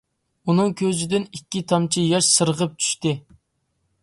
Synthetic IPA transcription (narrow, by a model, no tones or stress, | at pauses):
unɨŋkʲʰøzɪd̪ɪnikʲːit̪ʰɑmt͡ʃʰijɑʃsɨɾəʁəp̚t͡ʃʰy̥ʃt̪ɪ